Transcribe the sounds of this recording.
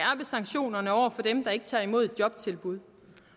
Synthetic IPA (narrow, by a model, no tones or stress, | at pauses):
æɐb̥əsɑ̈ŋ̥ɕo̝̰ːnɐnəɒʊ̰ɐfɒ̽d̥emd̥ɑ̈e̝ɡ̥ət͡sʰɑ̈ːimo̝ð̝ˠd̥̚jɒ̽b̥̚t͡sʰe̝lb̥uð̞ˠ